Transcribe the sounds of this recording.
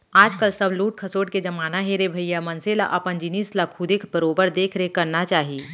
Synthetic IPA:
aːd͡ʒkəlsəbluːʈ̚kʰɐsoːʈked͡ʒɐmaːnaɦeɾebʱəijamənsela̰ʔɐpənd͡ʒinislakʰʊd̪ekʰbəɾoːbəɾd̪eːkʰɾəɦekəɾnat͡ʃaːɦiː

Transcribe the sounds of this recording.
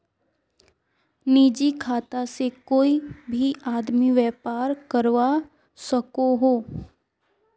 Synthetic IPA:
niːd͡ʒikʰaːt̪asekoːibʱiʔaːd̪miʋɛːpaːɾkəɾʋa | səkoɦoː

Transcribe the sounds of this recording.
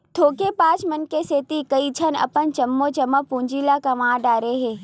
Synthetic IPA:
t̪ʰoːkepãːt͡ʃmɐnkeseːt̪ikɐit͡ʃʰənɐ̰pənt͡ʃɐmːot͡ʃɐmːəpũːɲd͡ʒiːlakɐmãːɖaːɾeɦeː

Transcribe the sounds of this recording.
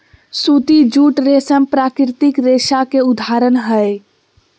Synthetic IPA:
sut̪id͡ʒuʈɾesəmpɾakɾt̪ikɾeʃakeud̪ʱaɾənɦəj

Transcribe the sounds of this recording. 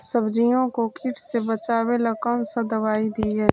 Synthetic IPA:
səbd͡ʒijõkokɪʈʰsebət͡ʃaːwelakɔːnsad̪ɐʋaːid̪iːɦɛː

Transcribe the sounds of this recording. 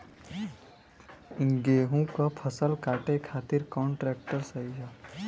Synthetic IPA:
ɪ̃ŋɡeːɦũkapʰəsəlkaːʈekʰaːt̪ɪɾkɔːɳʈɾeːk̚ʈəɾsɐid͡ʒa

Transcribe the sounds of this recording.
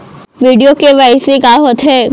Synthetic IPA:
ʋiːɖijokeʋaɪsekaɦoːt̪ɦɛː

